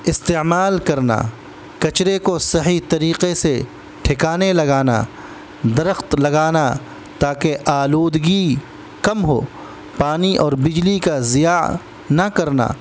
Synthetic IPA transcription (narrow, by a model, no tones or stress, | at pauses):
ɪst̪eːmaːlkɐɾna̰ | kɐt͡ʃɾekosɐɦit̪ɐɾiːqese | ʈʰɪkaːnelɐɡaːna̰ | d̪ɐɾəxt̪lɐɡaːna | t̪aːkeʔaːloːd̪ɡi | kɐmɦo̰ː | paːniʔɔːɾbɪd͡ʒlikazɪjaː | nɐkɐɾna̰ː